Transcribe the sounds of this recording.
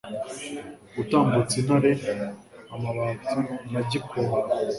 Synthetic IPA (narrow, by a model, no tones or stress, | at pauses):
utaːmbut͡sinaɾe | amaβatumaɟikʰoɾ